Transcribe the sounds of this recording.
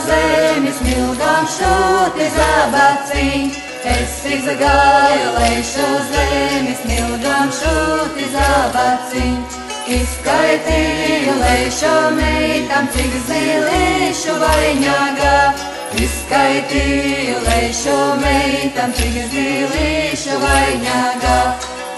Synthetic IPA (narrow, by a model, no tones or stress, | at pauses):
zɛmismilˠɡamʃut̪izabasin | ɛsːiɡzaɡajɔlɛjʃɔzɛmismilˠɡamʃut̪izabat͡siɲ | iskajt̪ijɔlɛjʃɔmɛjt̪amt͡siɡizziliʃuvajɲaɡa | iskajt̪ijɔlɛjʃɔmɛjt̪amiɡiziliʃuvajɲaɡa